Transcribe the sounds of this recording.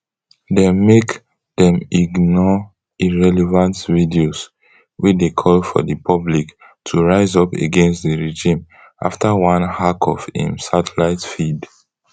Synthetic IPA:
demek | dɛ̃miɡnɔ | iɹɛlɛvãntvidios | wit͡ʃdekʰɔlfɔ̰dəpʰɔblik | tʰuɹaɪzɔpḛɡɛ̃nstdəɹed͡ʒĩm | ʔa̰ftawãnhakʰɔfḭ̃msatʰɛlaɪtfid

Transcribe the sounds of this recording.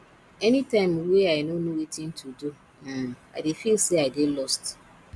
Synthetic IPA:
ɛnitãɪ̃mweaɪnonuwetin̩tʰudu | aa̰ɪdɪfilseaɪdɪlɔst

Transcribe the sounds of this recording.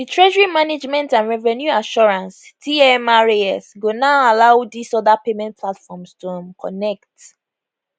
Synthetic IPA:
ditʰɹɛʒəɹimaned͡ʒmɛ̃ntãnɹɛvɛnjuaʃɔɹãnstʰiɛmaɹeɛsɡonaʊalaʊdisɔdapemɛ̃nt̚pʰlatfɔ̃mstũmkʰɔ̰nɛk̚t

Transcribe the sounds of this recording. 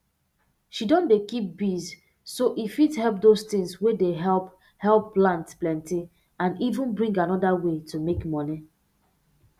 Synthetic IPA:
ʃidɔ̃ndekip̚biz | soʔifithɛlˠp̚dostĩŋswedeɦɛlp | hɛlˠpːlãntplɛ̃nti | ãnivũnbɹĩŋɡanɔdawetumekmɔni

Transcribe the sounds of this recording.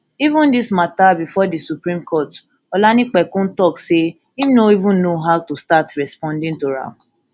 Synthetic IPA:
ivʊ̃ndismatabifɔdisupɾĩmkʰɔt | ɔlanik͡pɛkʊ̃n̩tɔkse | imnoivʊ̃n̩noɦaʊtustatɾɛspɔ̃ndɪ̃ŋtoɾã̰

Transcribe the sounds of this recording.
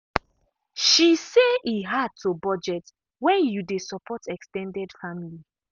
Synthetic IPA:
ʃiseiɦad̚tʰobɔd͡ʒɛt | wɛ̃njudesɔpʰɔtʰɛkstɛ̃ndɛdfamili

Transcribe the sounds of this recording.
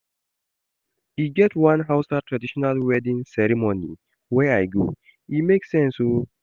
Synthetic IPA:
iɡɛtwãnɦaʊstatɹadiʃɔnalwɛdĩŋsɛɹimonḭ | wɛajɡo̰ | imeksɛ̃nsho

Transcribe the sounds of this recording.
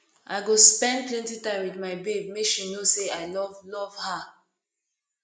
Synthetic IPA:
ʔaɪɡospɛ̃nd̚plɛ̃ntitãɪ̃mwidmaɪbebmekʃinoseaɪlɔvlɔv̥ha

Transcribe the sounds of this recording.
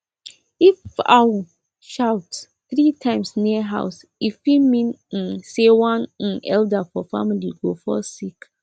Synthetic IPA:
ifa̰w | ʃaʊt | θɹitʰãɪ̃msniəɦa̰ʊs | ifimĩn̩sewãn̩ʔɛldafɔfa̰milḭɡofɔsik

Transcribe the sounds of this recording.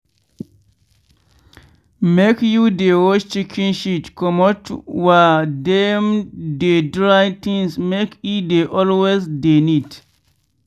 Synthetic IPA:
mekjudewɔʃt͡ʃikʰĩnʃitkʰɔmɔtwadɛmdedɹat̪ĩŋsmekjudeʔɔlwezdenid

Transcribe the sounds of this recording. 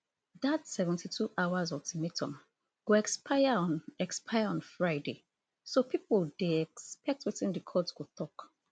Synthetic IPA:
datsɛvɛ̃ntitʰuʔaʊazɔvtʰimitʰɔ̃m | ɡ̥oɛkspʰaɪaɛkspʰaɪaɔ̃nfɹaɪde | sopʰipoldeɛkspɛk̚twitĩndikʰɔdsɡotɔk

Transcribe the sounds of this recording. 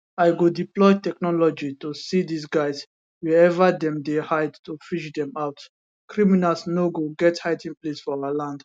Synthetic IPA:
aɪɡodiplɔɪtɛknɔlɔd͡ʒitusidisɡaɪs | wɛɛvadɛ̃mdehaɪdtufiʃdɛ̃maʊt | kʰɹiminalsnoɡoɡɛthaɪtĩŋplesfɔaalãnd

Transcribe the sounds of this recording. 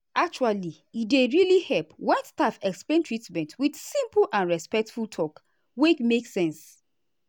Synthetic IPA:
ak̚t͡ʃuali | ideɹilihɛlpwɛ̃nstafɛksplẽntɹitmɛ̃ntʰwidsĩmplʔãnɹɛspɛk̚tfultʰɔk | wekmeksɛ̃ns

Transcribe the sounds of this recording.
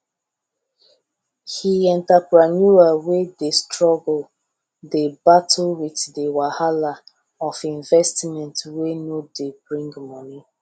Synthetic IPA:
hiɛ̃ntapɹanuawedestɹɔɡl̩ | debatʰlwiθdəwahala | ɔfĩɱvɛstmɛ̃ntwenodebɹĩŋɡmɔni

